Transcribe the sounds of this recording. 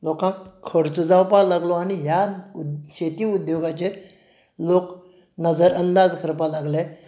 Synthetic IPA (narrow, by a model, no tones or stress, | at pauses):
lokãkkʰːəɾt͡səd͡zawpalaɡlɔaɽ̃iɦjauɕet̪iːud̪joɡat͡ɕeɾ | lok | nəd͡zəɾənd̪ad͡zkʰəɾpalaɡle